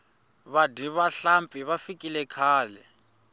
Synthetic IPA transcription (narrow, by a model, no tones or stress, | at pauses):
βadiβaɬampʼiβafikʼilɛkʰaːlɛ